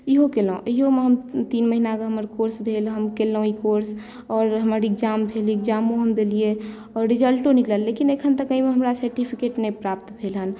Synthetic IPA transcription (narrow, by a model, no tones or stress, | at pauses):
iɦokelõ̰iɦomeɦəmt̪iːnməɦinakəɦəməɾkoɾsbʱelɦəmkelːõikoɾs | ɔːɾɦəməɾɪkd͡ʒaːmbʱeliɪkd͡ʒaːmõɦəmd̪elie | ɔːɾːid͡ʒəlʈõnikləlːekinekʰənt̪əkəĩmeɦəmɾasəɾʈipʰikeʈmepɾaːpt̪bʱelɦən